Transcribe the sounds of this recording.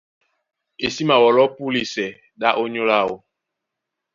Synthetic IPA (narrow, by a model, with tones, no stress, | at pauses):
e˨si˦ma˨wɔ˨lɔ˦pu˦li˨sɛ˨ | ɗa˦ʔo˦ɲo˦la˦˨wo̰˨